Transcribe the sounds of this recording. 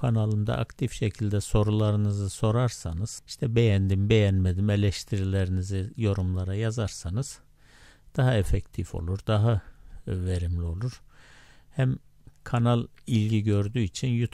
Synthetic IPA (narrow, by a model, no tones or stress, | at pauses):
kʰanalˠɯmd̪a̰ʔa̰kt̪ʰifʃecʰilʲd̪ɛso̞ɾulˠaɾɯnɯzɯso̞ɾaɾsanɯz̥iʃt̪ʰɛbe̞jænd̪imbe̞jænmed̪imelʲɛʃt̪ʰiɾilʲeɾinizijo̞ɾumlˠaɾajazaɾsanɯz̥ | d̪̥aɦaefɛct̪ʰifo̞̰lˠuɾd̪aɦave̞ɾimlʲio̞lˠuɾ̥hæmkʰanalˠilʲɟiɟø̞ɾd̪yːit͡ʃʰinjut̪ʰ